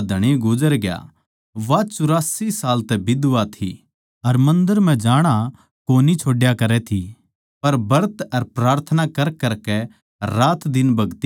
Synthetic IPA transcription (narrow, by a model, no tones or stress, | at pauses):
d̪ʱɐɽ̃iɡʊd͡ʒəɾɡja̰ | ʋat͡ʃʊɾaːsisaːlt̪ɛbɪd̪ʊʋat̪ʰḭ | ɐɾmɐ̃nd̪əɾm̤ɛ̃d͡ʒaːɽ̃a | koːnit͡ʃʰoːɖjakɐɾɛt̪ʰi | pɐɾbɐɾt̪ɐɾpɾaːɾt̪ʰənakɐɾkɐɾkɛ | ɾaːt̪d̪ɪnbɐɡt̪i